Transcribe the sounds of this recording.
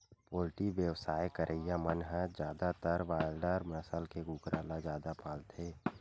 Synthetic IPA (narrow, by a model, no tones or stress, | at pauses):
poːlɪʈiʋjəwsaːjkəɾʔəɪjamənɦɛ̃d͡ʒjaːd̪at̪əɾʋaːjlɖəɾmnəsəlkeɡuːkɾʔaːlad͡ʒaːd̪apaːlt̪ʰeː